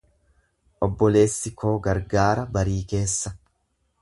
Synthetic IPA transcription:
ʔɔbːɔle̞ːsːɪko̞ːɡɐɾɡaːɾɐbɐɾiːke̞ːsːɐ

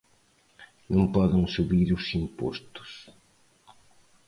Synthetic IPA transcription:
nõmpɔðɪŋsuβiɾʊsimpɔ̰st̪ʊ̥s

